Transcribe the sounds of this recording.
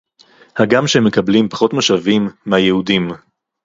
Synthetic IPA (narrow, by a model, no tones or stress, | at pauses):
haɡamʃeemekɐblimpḁχo̞t̪maʃavimːehajehudim